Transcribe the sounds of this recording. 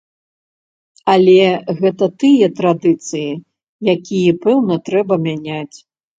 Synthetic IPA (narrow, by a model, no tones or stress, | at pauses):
ɐlʲɛɣɛt̪ɐt̪ɨjɐt̪ɾad̪ɨt̪sɨji | jakʲijɛpɛwnɐt̪ɾɛbɐmʲanʲat͡sʲ